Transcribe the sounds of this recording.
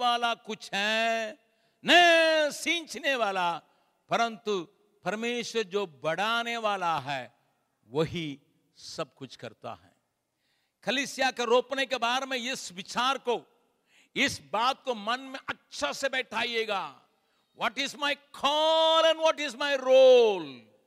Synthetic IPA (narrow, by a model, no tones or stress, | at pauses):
aːlakʊt͡ʃʰɦɛ | nɐ̃ɪsĩːnt͡ʃneʋaːla | pɐɾə̃nt̪u | pɐɾmeːʃwəɾd͡ʒoːbɐɽaːneʋaːlaɦɛː | ʋɐɦi | sɐb̚kʊt͡ʃʰkɐ̰ɾt̪a̰ɦɛ̰ː | kɐliːsijakeɾoːpnekebaːɾemẽɪsʋɪt͡ʃaːɾko | ɪsbaːt̪̚komɐnmẽʔɐtːʃʰasebɛːʈʰaːieːɡaː | ʋɔːʈɪzmaɪkʰɔːlɛ̃nʋɔːʈɪzmaɪɾoːl